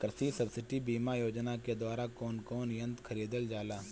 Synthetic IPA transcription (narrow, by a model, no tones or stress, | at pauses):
kɾəsisɐbsɪʈibiːmajoːd͡ʒnaked̪waːɾakɔːnkɔːnjə̃nt̪kʰɐɾiːd̪əld͡ʒaːlaː